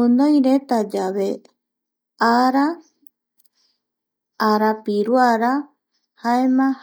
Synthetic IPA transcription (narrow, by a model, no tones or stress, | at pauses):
unõjɾet̪ad͡ʒaβe | aɾa | ɾapiɾuaɾa | haemãh